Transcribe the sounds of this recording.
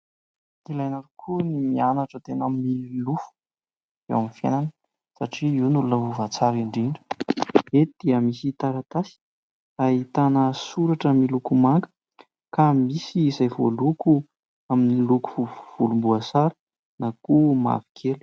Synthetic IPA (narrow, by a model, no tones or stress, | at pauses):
ilajnaɾukʰunimianaʈ͡ʂət̪enaminiilufu̥ | ḛwamifja̰nanə | saʈ͡ʂiiwnulunəɦuvat͡saɾiɳɖ͡ʐiɳɖ͡ʐə̥ed̪̥iəmisit̪aɾat̪asi̥ | aɦit̪anəsuɾaʈ͡ʂəmilukumaŋɡə̥ | kamisiːzajvoluku | aminiluku̥uv̥ulumbuasaɾə̥ | nakuma̰vi̥kʰelu̥